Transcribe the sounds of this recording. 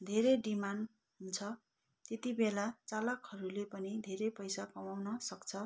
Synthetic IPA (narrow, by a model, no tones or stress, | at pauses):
d̪ʱeɾeɖiman | ɦunt͡sʰʌ | t̪et̪ibelat͡salʌkɦʌɾulepʌnid̪ʱeɾepʌjsakʌmawnʌsʌkt͡sʰʌ